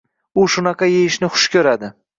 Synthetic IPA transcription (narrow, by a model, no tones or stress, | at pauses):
ʊʃʊnɑqʰɑjejɪʃnɪχʊ̥ʃkʲʰɵɾad̪ɪ